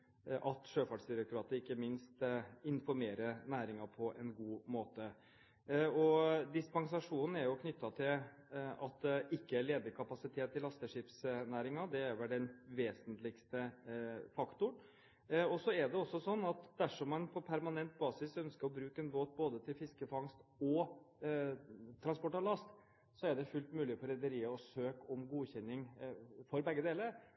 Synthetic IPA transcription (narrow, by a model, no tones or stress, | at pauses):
ʔɑt̪ʂøːfɑɖsd̪ɪɾɑkɾɑːt̪əɾɪkːəmɪnst̪ɪnfɔɾmeːɾəɾnæːɾɪŋɑpʰɔʔɛnɡuːmoːt̪ə | ɔd̪ɪspɑŋsɑʂuːnn̩æɾjʊkʰnʏt̪ːɑt̪ʰɪl | ɑ̰t̪̚d̪ɛʔɪkːəæɭeːd̪əɾkʰɑpɑsɪt̪ʰeːt̪ːɪlːɑst̪əʂɪpsnæːɾɪŋɑd̪ɛæɾʋɛlɖɛnʋeːsənt̪lɪɡst̪əfɑkt̪ʊɳ | ɔsɔæɖɛɔsːɔsɔnːɑt̪d̪æʂɔmːɑnpʰɔpʰæɾmɑnɛnt̪̚bɑːsɪsœnskəɾɔbɾʉːkəɛnboːt̪̚boːd̪ət̪ʰɪlfɪskəfɑŋst̪ɔ | t̪ʰɾɑnspɔʈːɑlɑst̪ | sɔæɖɛfʉlt̪mʉːlɪfɔɾɛd̪əɾiːəɔsøːkɔmɡuːçɛnːɪŋfɔɾbɛɡːəd̪eːləɾ